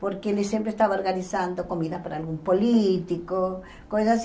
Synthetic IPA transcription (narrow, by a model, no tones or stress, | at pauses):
poɾkelesempɾest̪aβaoɾɣanisand̪oko̞miðapaɾaːlɣumpolit̪iko | kojsas